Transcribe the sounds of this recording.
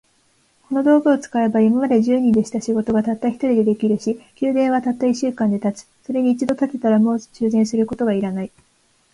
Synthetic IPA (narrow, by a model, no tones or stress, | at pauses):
ko̞no̞d̪o̞ːɡɯot͡sɨ̥kae̞baimamad̪e̞ʑɨːɲ̟ĩd̪e̞ɕi̥t̪aɕiɡo̞t̪o̞ɡat̪at̪ːaçʲi̥t̪o̞ɾʲid̪e̞d̪e̞kʲiɾɯ̟ɕikʲɨːd̪ẽ̞ɰ̃βat̪at̪ːaiɕːɨːkãnd̪e̞t̪at͡sɨ̥so̞ɾe̞ɲ̟iːt͡ɕid̪o̞t̪at̪e̞t̪aɾamo̞̥ːt͡ɕɨːzẽ̞ɰ̃sɨɾɯ̟ko̞t̪o̞ɡaiɾanai